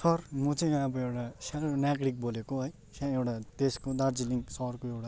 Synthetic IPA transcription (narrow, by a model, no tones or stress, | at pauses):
sʌrmʌt͡sʌ̃j̃abʌewʈasalonaɡɽik̚bolekoɦʌj | sãewʈat̪eskod̪aɾd͡ziliŋsʌrkoewʈa